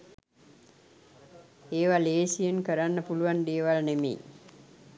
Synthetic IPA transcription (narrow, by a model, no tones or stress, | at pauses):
eːʋaleːsijənkəɾanːəpuluʋand̪eəʋalnemḛj̰